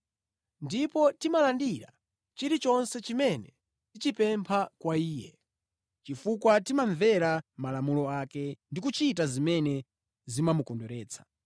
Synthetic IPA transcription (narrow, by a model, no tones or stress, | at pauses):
ndipɔtimalandiɾa̰ | t͡ʃiɾit͡ʃɔnsɛt͡ʃimɛnɛ | tit͡ʃipɛmpʰakwaiːjɛ̰ | t͡ʃifukwatimaɱvɛɾamalamulɔakɛndikut͡ʃitazimɛnɛ | zimamukɔndɔɾɛːt͡sʰḁ